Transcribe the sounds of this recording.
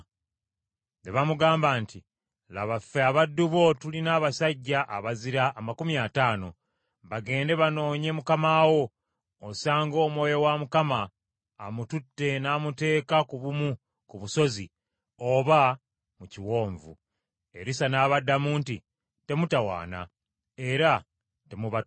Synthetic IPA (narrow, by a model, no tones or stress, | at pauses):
ndeβamuɡaːmbaːnti | laβafːeaβadːuβo̞tulinaːβasaɟːaʔa̰βaziɾaʔːmakumiataːno̞ | βaɡe̞ːnde̞βano̞ːɲe̞mukamaːwo̞ː | saːŋɡo̞ːmwo̞ːjowamukamaː | mututːe̞naːmute̞ːkakuβumu | kuβuso̞zḭ | o̞βa | muciwo̞ːɱvṵ | e̞̰ɾisanaːβadːamuːnti | te̞mutawa̰ːna̰ | e̞ɾa | te̞muβa